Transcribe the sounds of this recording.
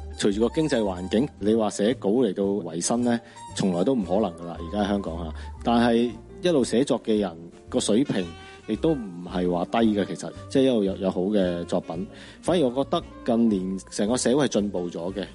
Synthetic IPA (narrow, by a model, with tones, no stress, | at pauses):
t͡ʃʰɵ˨˩ɥt͡ʃyː˨˩kɔː˧kɪ˥ŋt͡sɐ˧jwaː˨˩nkɪ˨˥ŋle˨˧jwaː˨sɛː˨˥ko˨˥wle˨˩jt̪o˧wwɐ˨˩jsɐ˥nlɛː˥ | t͡sʰʊ˨ŋlɔː˨jt̪o˥wm̩˨˩hɔː˨˥lɐ˨˩ŋɡɐ˧la̰ː˧jiː˨kaː˥ɐ˨˩hœː˥ŋkɔː˨˥ŋha̰ː˧˦t̪aː˨nɦɐ˨j | jɐ˥t̚lo˨wsɛː˨˥t͡sɔː˨˧kːɛː˧jɐ˨˩n | kɔː˧sɵ˨˥ɥpʰɪ˨˩ŋ | jɪ˨k̚t̪o˥wm̩˨˩hɐ˨jwaː˨t̪ɐ˥jɡaː˧kʰe˨˩jsɐ˨t̚t͡sɛː˥˨jɐ˥t̚lo˨wjɐ˨˧wjɐ˨˧who˨˥wkɛː˧t͡sɔː˧k̚pɐ˨˥n | faː˨˥nji˨˩ŋɔː˨˧kɔː˧k̚t̪ɐ˥kːɐ˧nliː˨˩nsɛː˨˩ŋkɔː˧sɛː˨˥wu˥hɐ˨jt͡ʃɵ˧npo˨wt͡sɔː˨˥ɡɛ˧